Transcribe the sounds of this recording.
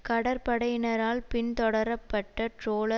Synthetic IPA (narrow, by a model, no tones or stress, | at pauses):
kɐɽɐɾpɐɽɐjɪnɐɾaːlpɪnt̪ɔɽɐɾɐpːɐʈːɐʈroːlɐ